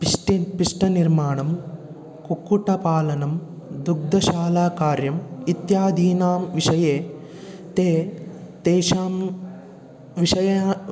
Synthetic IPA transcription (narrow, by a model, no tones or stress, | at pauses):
piʈipiʂʈɐniɾmaːɳɐm | kukːuʈɐpaːlɐnɐm | d̪uɡ̚d̪ɐʃaːlaːkaːɾjɐmit̪jaːd̪ʱiːnaːmʋiʂɐjeː | t̪eːt̪eːʃaːm | ʋiʃɐjɐ